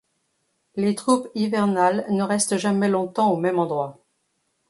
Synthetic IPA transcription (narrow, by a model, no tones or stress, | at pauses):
let̪χupivɛʁnalnəʁɛst̪ʒamɛlɔ̃t̪ɑ̃omɛmɑ̃d̪ʁwa